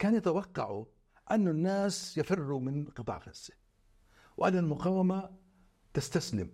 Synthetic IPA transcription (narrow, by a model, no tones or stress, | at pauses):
kaːnjat̪awɑqːɑ̰ʕu | ʔanːʊnːaːsjafɪrːumɪnqɨt̪ˤɑ̰ːʕɣalsɪ̥ | wʔanːalmʊqɑːwːama | t̪ast̪aslɪm